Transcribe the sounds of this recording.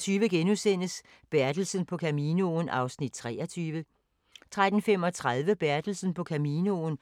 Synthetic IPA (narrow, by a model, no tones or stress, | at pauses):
t͡sʰyːʋəɡ̥enusen̰əs | b̥æɐd̥l̩sən̩pʰɒ̽kʰæmiːnonʔɑ̈ʊsnid̥̚t͡sʰʁɛ̰ːɐt͡sʰyːʋə | t͡sʰʁad̥n̩fem̰ɒ̽t͡sʰʁað̞ˠʋəb̥æɐd̥l̩sn̩pʰɒ̽kʰæmiːnəon